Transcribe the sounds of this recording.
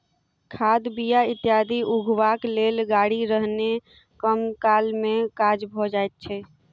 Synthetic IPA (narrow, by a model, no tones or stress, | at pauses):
kʰad̪bijait̪jad̪ʱiʔuɡʱwaklelɡaɽiɾəɦne | kəmkalmẽkad͡ʒbʱɔd͡ʒajt̪̚t͡ʃʰɛ